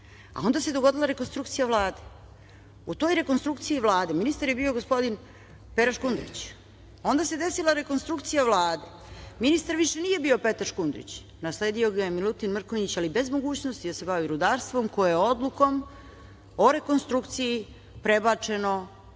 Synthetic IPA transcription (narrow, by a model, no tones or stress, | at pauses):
a̰o̞nd̪ased̪oɡo̞d̪ilˠaɾeko̞nst̪ɾukt̪sijaʋlˠaːd̪e̞ | ut̪o̞jɾe̞ko̞nst̪ɾukt̪sijiʋlˠaːd̪e̞minist̪aɾje̞bio̞ɡo̞spo̞d̪in | peɾaʃkund̪ɾḭt͡ɕ | o̞nd̪ase̞d̪e̞silˠaɾe̞ko̞nst̪ɾukt̪sijaʋlˠaːd̪e̞ | minist̪aɾʋiʃenije̞bio̞pe̞t̪aɾʃkund̪ɾḭt͡ɕ | naslˠe̞ːd̪io̞ɡajemilˠut̪inmr̩koɲit͡ɕalibe̞zmo̞ɡuːt͡ɕnost̪id̪ase̞baʋiɾud̪aːɾst̪vʋo̞mko̞jejeo̞d̪lˠuko̞m | oɾe̞ko̞nst̪ɾukt̪siji | pɾe̞bat͡ʂe̞no̞